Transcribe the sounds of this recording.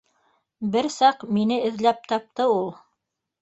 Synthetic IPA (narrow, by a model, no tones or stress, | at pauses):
bɘɾsɑqminɘɘ̆ðlæp̚t̪ɑp̚t̪ɤulˠ